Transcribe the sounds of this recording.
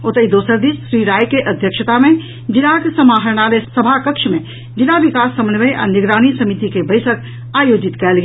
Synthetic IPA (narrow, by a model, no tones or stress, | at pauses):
ot̪əid̪oːsəɾd̪iːsʃɾiɾaːjkeʔəd̪ʱjəkʃət̪amẽ | d͡ʒɪnaksəmaːɦəɾñalesəbʱakəkʃmẽ | d͡ʒɪnaʋɪkaːsːəmənʋəjʔa̰nɪɡɾaːñisəmit̪ikebəɪsək | aːjoːd͡ʒɪt̪kɛːlɡ